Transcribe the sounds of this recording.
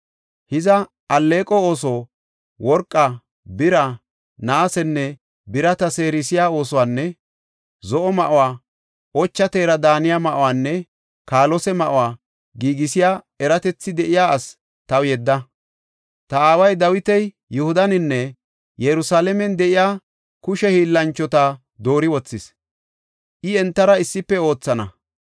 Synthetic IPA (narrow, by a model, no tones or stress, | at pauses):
hɪzɐ | ɐlːe̞ːkʼɔo̞ːs̬oː | wɔɾkʼːɐ | bɪɾɐ | naːsɛnːɛ | bɪɾɐt̪ɐseːɾɪsɪjaːo̞ːsɔwaːnːɛ | zɔʔɔmɐʔʊwaː | ɔt͡ʃːɐt̪eːɾɐd̪aːnɪjaːmɐʔʊwaːnːɛ | kaːlɔsɛmɐʔʊwaː | ɡiːɡɪsɪjaː | ɛɾɐt̪ɛt͡sːɪd̪ɛʔɪjaːs | t̪ɐwjɛd̪ːɐ | t̪ɐaːwɐjd̪ɐwɪt̪ɛj | jɛhʊd̪ɐnɪnːɛ | jɛɾʊsaːlɛmɛnd̪ɛʔɪjaː | kʊʃɛhiːlːɐnt͡ʃːɔt̪a | d̪o̞ːɾɪwɔt͡sːɪs | ʔɪɛnt̪ːɐɾɐɪsːɪpːɛo̞ːt͡sːɐnɐ